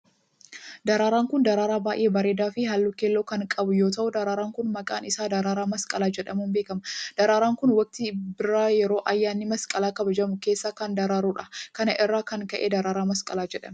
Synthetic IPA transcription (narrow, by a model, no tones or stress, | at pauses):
d̪ɐɾaːɾaːŋkʊnd̪ɐɾaːɾaːbaːʔeːbɐɾe̞ːd̪aːfɪɦɐlːʊkeːlːoːkɐŋkʼɐbʊjo̞ːt̪ɐʔʊd̪ɐɾaːɾaːŋkʊnmɐkʼa̰ːnɪsaːd̪ɐɾaːɾaːmɐskʼɐlaːd͡ʒɛᶑɐmuːnbe̞ːkɐmɐd̪̥ɐɾaːɾaːŋkʊnwɐk̚t̪ɪbɪɾaːjɛɾo̞ːʔɐjːaːnːɪmɐskʼɐlaːkɐbɐd͡ʒɐmʊke̞ːsːaːkɐnd̪ɐɾaːɾuːᶑɐkɐnɐʔɪrːaːkɐŋkɐʔḛːd̪ɐɾaːɾaːmɐskʼɐlaːd͡ʒɛᶑɐ̰mɛ